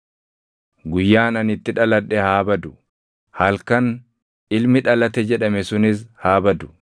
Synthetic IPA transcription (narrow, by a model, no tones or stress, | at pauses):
ɡʊjːaːnɐnɪt̪ːɪᶑɐlɐᶑːɛhaːbɐd̪ʊ | hɐlkɐn | ɪlmɪᶑɐlɐt̪ɛd͡ʒɛᶑɐmɛsʊnɪs̬haːbɐd̪ʊ̥